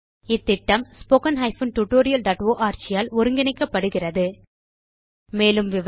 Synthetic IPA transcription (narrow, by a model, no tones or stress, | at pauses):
ɪt̪ːɪʈːɐmspoːkɐnɦɐɪfɯnʈuʈːoːɾɪjɐlɖaːʈoːʔaːɾt͡ʃɪjaːlɔɾɯŋɡɪnɪkːɐpːɐɽɯɣɪrɐðɯ | meːlɯmʋɪʋ